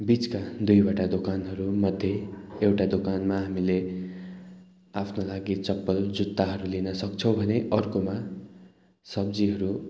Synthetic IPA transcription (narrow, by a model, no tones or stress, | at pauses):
bit͡skad̪ujbaʈad̪okanɦʌɾumʌd̪ʱjeewʈad̪okanmaɦamile | apʰnolaɡit͡sʌpːʌld͡zut̪ːaɦʌɾulinʌsʌkt͡sʰobʱʌneʔʌrkoma | sʌb̚d͡ziɦʌɾu